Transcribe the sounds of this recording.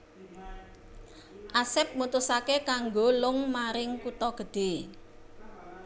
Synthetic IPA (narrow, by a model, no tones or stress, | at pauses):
ʔasɪp̚mut̪usakekaŋɡolʊŋmaɾɪŋkut̪ɔɡ̥ə̤ɖ̪̥e̤